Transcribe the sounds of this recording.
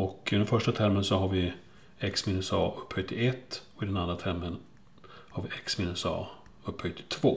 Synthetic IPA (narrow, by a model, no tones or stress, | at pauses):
ɔkɪd̪ɛnfœʂʈat̪ʰæɾmənsɔɦaɾvɪ | ɛksmiːnɵsɑːɵpːhœt̪ːɪɛt̪ːɔkɪd̪ɛnand̪ɾat̪ʰæɾmən | haɾvɪʔɛksmiːnɵsɑ̰ː | ɵpːhœt̪ːɪ̥t̪ʰvoː